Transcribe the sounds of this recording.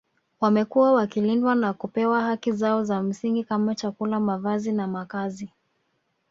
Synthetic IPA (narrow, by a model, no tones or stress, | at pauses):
wamɛkuwawakilindwanakupɛwahakizaɔzam̩siŋɡikamat͡ʃakulamavazinamakazi